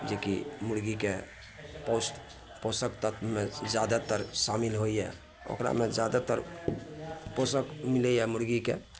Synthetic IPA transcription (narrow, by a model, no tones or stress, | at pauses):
d͡ʒekḭmuɽɡike | posʈ | posəkt̪ət̪med͡ʒjad̪at̪əɾsamilɦojjɛ̰ | o̰kɾa̰med͡ʒad̪at̪əɾ | posəkmilɛjɛmuɽɡikḛ